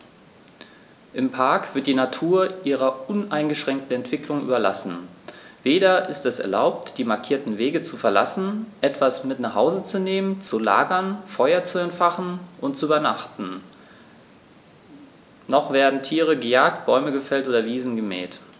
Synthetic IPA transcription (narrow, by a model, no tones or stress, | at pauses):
ʔɪmpʰaɐkv̥ɪɐt̚d̥iːnatʰuːɐʔiːʁɐʔʊnʔaɪnɡəʃʁ̥ɛŋk̚tn̩ɛntv̥ɪklʊŋʔyːbɐla̰sn̩veːɾɐʔɪstɛsɛ̰ɐla̰ʊp̚td̥iːmaɐkʰiːɐtn̩veːɡət͡sufɛɐla̰sn̩ʔɛtv̥asmɪtnaχhaʊzət͡suneːmənt͡sula̰ːɡɐnfɔʏɐt͡suɛntfaχn̩ʔʊntt͡suyːbɐnaχtn̩ | nɔχv̥eːɐdn̩tʰiːʁ̞əɡəjaːk̚t̚b̥ɔʏməɡəfɛltʔoːdɐviːzn̩ɡəmɛ̰ːt